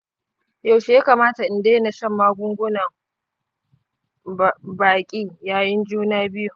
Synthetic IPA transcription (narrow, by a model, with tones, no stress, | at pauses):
ja˦˨wʃe˨ja˦kaː˨maː˦ta˨ʔɪ˨ndeː˦na˨ʃɐ˦mːaː˦ɡʷʊ˦ŋɡʷʊ˦nɐ˨ŋ | baː˨kʲʼiː˦jaː˦jɪ˦nd͡ʒuː˦naː˦bɪ˦ju˦